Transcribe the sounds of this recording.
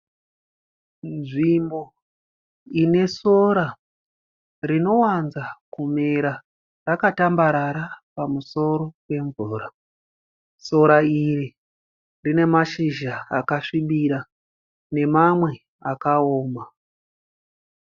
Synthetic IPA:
nʐimbo̞ | ine̞so̞ɾa | rino̞wanzakumeɾa | rakatambaɾaɾapamuso̞ɾo̞pe̞ɱvuːɾa | so̞ɾaiɾi | rine̞maʃiʒa̰ːkaʂiɓiɾa | ne̞mamwe̞ | akaoːma

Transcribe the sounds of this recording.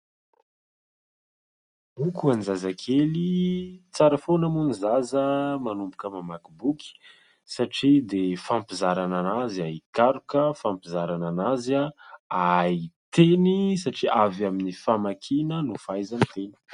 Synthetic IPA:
ukuanizazakʰelit͡saɾəfonəmunizazəmanumbukəmamakibuki̥ | saʈ͡ʂid̪efampizaɾananaziaikaɾukəfampizaɾananazaait̪enisaʈ͡ʂiʔavaminifamakʰinənufajzant̪eni̥

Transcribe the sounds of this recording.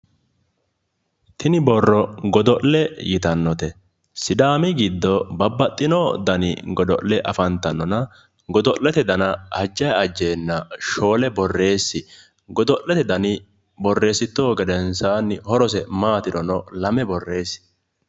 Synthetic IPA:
t̪ʰɪnɪbɔrːɔɡɔd̪ɔʔlɛjɪt̪ɐnːɔt̪ɛ | sɪd̪aːmɪɡɪd̪ːɔbɐbːɐt̪ʼːɪnod̪ɐnɪ̰ɡɔd̪ɔ̰ʔlɛʔɐ̰fɐnt̪ːɐnːɔnɐ | ɡɔd̪ɔʔlːɛt̪ɛd̪ɐnɐhɐd͡ʒːɐjɐd͡ʒːeːnːɐʃo̞ːlɛbɔrːe̞ːsːɪ | ɡɔd̪ɔʔlːɛt̪ɛd̪ɐnɪ | bɔrːe̞ːsɪt̪ːoːɡɛd̪ɛnsaːnːɪhɔɾɔs̬ɛmaːt̪ɪd̪ɔnɔlɐmɛbɔrːe̞ːsɪ̥

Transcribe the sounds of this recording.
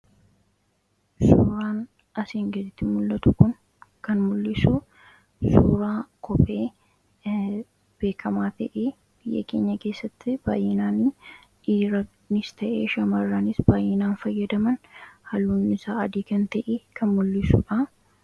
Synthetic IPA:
suːɾaːn | ʔɐsiːŋɡd̪ɪt̪ːɪmʊlːɐt̪ʊkʊn | kɐnmʊlːɪsu | suːɾaːkʰɔpʼeː | b̥e̞ːkʰɐmaːt̪ɐʔeː | b̥ɪjːɐ̰ke̞ːɲːɐke̞ːsːɐt̪ːɪb̥a̰ːjɪnaːn | ᶑiːɾɐ | nɪst̪ɐʔeːʃɐmɐrːaːnɪsbaːjːɪnaːnfɐjːɐd̪ɐmɐnhɐluːnɪsaːɐd̪iːkɐnt̪ɐʔeːkʰɐnmʊlːɪsṵᶑa

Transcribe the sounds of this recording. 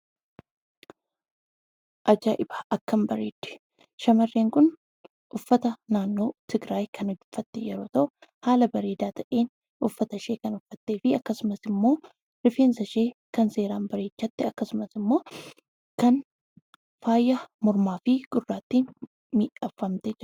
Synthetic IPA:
ʔɐd͡ʒaːʔɪbḁʔɐkːɐmbɐɾeːd̪ɪ̥ | ʃɐmɐrːeːŋkʊn | ʔʊfːɐt̪ɐnaːnːo̞ːt̪ʰɪɡɾaːjkʰɐnɔd͡ʒʊfːɐt̪ːɪjɛɾo̞ːt̪ɐʔʊhaːlɐbɐɾe̞ːd̪aːt̪ʰɐʔeːn | ʔʊfːɐt̪ɐʃeːkɐnʊfːɐt̪ːeːfɪɐkːɐsʊmɐsɪmːo̞ː | ɾɪfeːnsɐʃe̞ːkɐnse̞ːɾaːmbɐɾe̞ːt͡ʃːɐt̪ːɪɐkːɐsʊmɐsɪmːo̞ː | kɐn | faːjːɐmɔɾmaːfɪɡ̥ʼʊrːaːt̪ːiːn | miːʔɐfːɐmt̪ɛd͡ʒ

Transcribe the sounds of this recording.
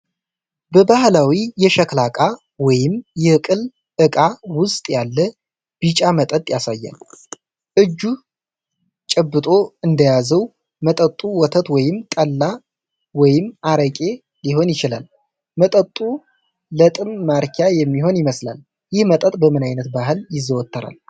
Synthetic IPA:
bəbahlawijɛʃəklakʼa | wɔjɪmjɛkʼɨl | ʔɨkʼawʊst̪ʼjalːə | b̥ɨt͡ʃʼamət̪ʼət̪ʼjasajːa̰l | ʔɨd͡ʒːu | t͡ʃʼɛbːɨt̪ʼo̞ɨnd̪əjazəw | mət̪ʼət̪ʼːuwɔt̪ʰət̪wɔjɪmt̪ʼəlːa | wɔjɪmaɾəkʼe̞ | nliɦo̞njɪt͡ʃɪla̰l | mət̪ʼət̪ʼːu | lət̪ʼɨnmaɾkʰajɛmːiɦo̞njɪməsla̰l | jɪhmət̪ʼət̪ʼbəmɨnajnət̪baɦɨljɪzːəwɔt̪ːəɾa̰l

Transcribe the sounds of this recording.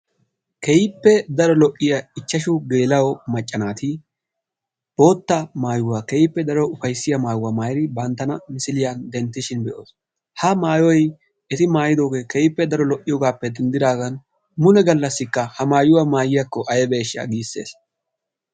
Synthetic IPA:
kɛjɪpːɛd̪ɐɾɔlɔʔʼːɪjɐɪt͡ʃːɐʃʊɡe̞ːlɐwɔmɐt͡ʃʼːɐnaːt̪ɪ | b̥o̞ːt̪ːɐmaːjʊwaːkɛjɪpːɛd̪ɐɾɔʊfɐjsːɪjɐmaːjʊwaːmaːjɾɪbɐnt̪ːɐnɐmɪsɪlɪjand̪ɛnt̪ːɪʃɪnbɛʔoːs | hɐmaːjɔj | ɛt̪ɪmaːjɪd̪o̞ːɡeːkɛjɪpːɛd̪ɐɾɔlɔʔʼːɪjɔɡaːpːɛd̪ɛnd̪ɪd̪aːɡɐn | mʊnɛɡɐlːɐsːɪkːɐhɐmaːjʊwamaːjɪjɐkːɔʔɐjɛbe̞ːʃɪa̰ɡiːsːḛːs

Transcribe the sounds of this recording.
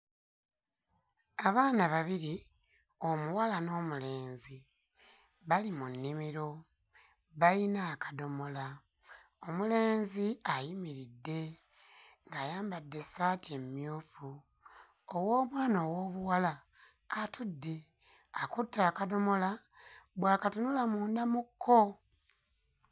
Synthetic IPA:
aβaːnaβaβiɾi | o̞muwalano̞ːmule̞ːnzi | βalimunːimiɾo̞ | βainaːkḁdo̞mo̞la | o̞mule̞ːnziajimiɾidːe̞ | ŋɡaːjaːmbadːe̞saːtemjuːfu | owo̞ːmwaːnowoːβuwala | katudːe̞ | akutːaːkado̞mo̞la | bwaːkatunulamuːndamukʰːo

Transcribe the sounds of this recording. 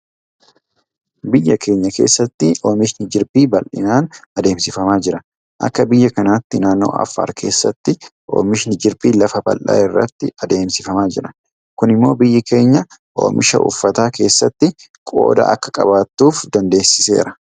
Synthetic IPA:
bɪjːɐkʰe̞ːɲːɐke̞̰ːsːɐt̪ːɪʔoːmɪʃnɪd͡ʒɪɾbiːbɐlʔɪ̰naːnɐd̪e̞ːmsɪfɐmaːd͡ʒɪɾɐ | ʔɐ̰kːɐbɪjːɐkɐnaːt̪ːɪnaːnːo̞̰ːʔɐ̰fːa̰ːɾkʰe̞ːsːɐt̪ːɪʔo̞̰ːmɪʃnɪd͡ʒɪɾbiːlɐfɐbɐ̰lʔa̰ːɪrːɐ̰t̪ːɪɐd̪e̞ːmsɪfɐmaːd͡ʒɪɾɐ | kʊnɪmːo̞ːbɪjːɪke̞ːɲːɐʔo̞̰ːmʔɪʃɐ̰ʔʊ̰fːɐt̪aːke̞ːsːɐt̪ːɪ | kʼo̰ːd̪ɐ̰ʔɐ̰kːɐ̥kʼɐbaːt̪ːuːfd̪ɐnd̪e̞ːsːɪse̞̰ːɾɐ

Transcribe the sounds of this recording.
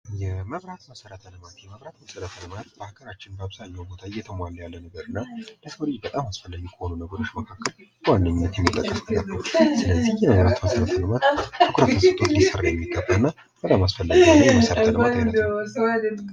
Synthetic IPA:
jɛməβɾat̪məsəɾət̪ʰənəmat̪jɛməβɾat̪məsəd̪ət̪ʰələmaɾəbəhakəɾat͡ʃːɪnbəaβzaɲːɛwbot̪ʰaɨjɛt̪ʰəmalːjalːənəɡəɾɨnːaləsəwlid͡ʒbət̪ʼamasfəlːaɡukʰəho̞nunəɡəɾo̞t͡ʃːməkʰakːəl | wanːəɲːət̪jɛmːit̪ʼəkʼːəsnəɡəɾnəwsɨləzːihjɛməβɾat̪məsəɾət̪ʰələmat̪tʰukʰɾət̪mət̪ʼʰot̪jisərːajɛmːiɡəbːaɨnːa | b̥ət̪ʼamasfəlːaɡijɛmsəɾəaswad̪ə

